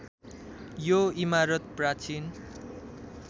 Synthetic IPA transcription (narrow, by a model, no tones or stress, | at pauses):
joimaɾʌt̪̚prat͡sin